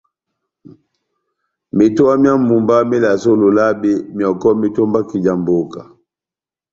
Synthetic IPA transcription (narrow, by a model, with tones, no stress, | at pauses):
mi˨tɔ˦a˦mja˦mu˨mba˦mi˦la˨so˦lu˨la˦bi˦mjɔ˨kɔ˦mi˦tɔ˦mba˦ki˨d͡ʒa˨mbo˦ka˨